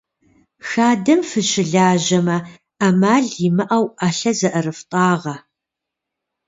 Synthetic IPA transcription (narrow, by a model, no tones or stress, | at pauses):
xaːdɐmfɨɕɪɮaːʑɐmɐ | amaːɮjɪmɨʔɐwaɬɐzɐʔɐrɨftʼɑːʁɐ